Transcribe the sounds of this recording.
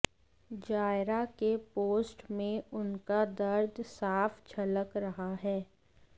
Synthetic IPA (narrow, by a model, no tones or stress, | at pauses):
d͡ʒaːɪɾakepoːsʈmẽʊnkad̪ɐɾd̪saːft͡ʃʰɐləkɾɐɦaɦɛː